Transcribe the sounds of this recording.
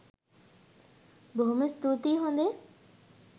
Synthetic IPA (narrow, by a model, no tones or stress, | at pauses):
boɦumest̪uːt̪iːɦõnd̪e